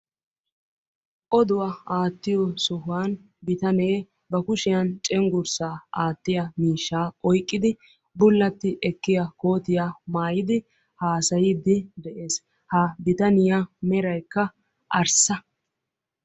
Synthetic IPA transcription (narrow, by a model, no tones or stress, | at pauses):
ʔɔd̪ʊwɐaːt̪ːɪjɔsʊɦʊwan | bɪt̪ɐneː | bɐkʊʃɪjɐnt͡ʃʼɛŋɡʊɾsaːʔaːt̪ːɪjɐmiːʃːaːɔjkʼːɪd̪ɪ | bʊlːɐt̪ːɪʔɛkːɪjɐko̞ːt̪ɪjamaːjɪd̪ɪ | haːsɐjɪd̪ɪd̪ɛʔeːs | hɐbɪt̪ɐnɪjamɛɾɐjkːɐ | ʔɐɾsɐ